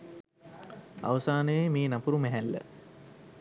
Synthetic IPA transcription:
a̰ʋəsaːnəjemeːnapuɾumæɦælːə̰

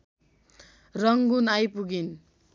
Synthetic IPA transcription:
rʌŋɡunajpuɡin

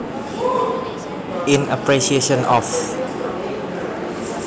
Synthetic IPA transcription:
ĩnəpɹiʃieʃə̃nɔf

